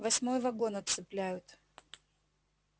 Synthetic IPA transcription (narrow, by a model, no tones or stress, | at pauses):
vɐsʲmo̞jvɐɡo̞nɐt̪sɨplʲæjʊt̪